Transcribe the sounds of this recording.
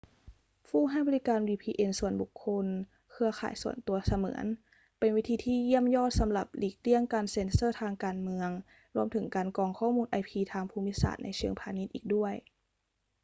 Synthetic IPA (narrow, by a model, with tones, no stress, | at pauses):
fʰuː˥˩ɦa˥˩jbɔː˧li˦˥kaː˧nwiː˧pʰiː˧ʔe˧nsu˨˩ənbu˨˩kʰːo˧n | kʰɯ˧ɐxʰa̰ː˨˩jsu˨˩ənt̪u˧ɐsa˧mɤ̰ː˩˦ən | pe˧nwi˦˥t̪ʰiː˧t̪ʰiː˧˥˨ji˥˩əmjɔː˥˩t̪̚sa˩˦mla˨˩p̚liː˨˩k̚li˧˥˩əŋkaː˨˧nse˧nsɤː˥˩t̪ʰaː˧ŋkaː˧nmɯ˧əŋ | ɾu˧əmt̪ʰɯ˩˦ŋkaː˨nkɔː˧˩ŋkʰɔː˥˩muː˧nʔa˧jpʰiː˧t̪ʰaː˧ŋpʰuː˧mi˦˥sa̰ː˨˩t̪̚na˧jt͡ɕʰɯ˧əŋpʰaː˧ni˦˥t̪̚ʔiː˨˩k̚du˥˩əj